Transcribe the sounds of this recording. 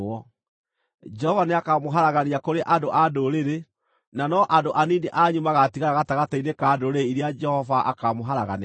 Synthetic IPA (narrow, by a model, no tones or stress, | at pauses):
ɔ | d͡ʒɛhɔvaneakamoɦaɾaɣaneakoɾeʔandoʔadoɾeɾe | nanɔʔandoʔanineʔaːɲumaɣatiɣaɾaɣataɣatainekaːdoɾeiɾead͡ʒɛhɔvaʔa̰kamoɦaɾaɣa̰ne